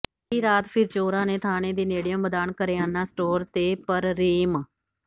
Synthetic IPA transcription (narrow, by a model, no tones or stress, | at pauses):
iːɾaːt̪pʰɪɾt͡ʃoːɾãːneːt̪ʰaːneːd̪iːneːɽijəmbəd̪aːnkəɾeːaːnãːsʈoːɾt̪eːpəɾɾiːm